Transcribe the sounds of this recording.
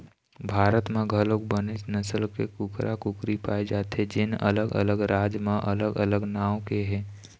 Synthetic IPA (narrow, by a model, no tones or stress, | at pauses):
bʱaːɾət̪mẽɡʱəlok̚bənɪsnəsəlkekʊkɾʔakʊkɾipa̰ːed͡ʒaːt̪ed͡ʒɪnə̰ləɡə̰ləɡɾaːd͡ʒmãʔələɡələɡnaːw̃keɦɛ̃ː